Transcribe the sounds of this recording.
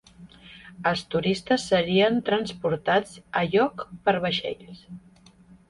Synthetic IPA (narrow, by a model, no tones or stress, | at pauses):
əlˠst̪uɾist̪əsːəɾiənt̪ɾənspuɾt̪ad͡zəʎɔkpəɾβəʃḛʎs